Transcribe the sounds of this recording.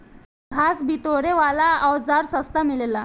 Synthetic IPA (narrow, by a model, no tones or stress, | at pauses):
ɡʱasbit̪oɽeʋalaəwd͡zaɾsəst̪amilela